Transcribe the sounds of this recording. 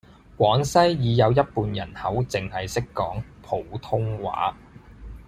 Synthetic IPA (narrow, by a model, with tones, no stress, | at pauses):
kʷɔː˨˥ŋsɐ˥jːiː˨˧jɐ˨˧wjɐ˥t̚puː˨njɐ˨˩nhɐ˨˥wt͡sɪ˨ŋhɐ˨jsɪ˥kːɔː˨˥ŋpʰo˨˩wt̪ʰʊ˥ŋwa̰ː˨˥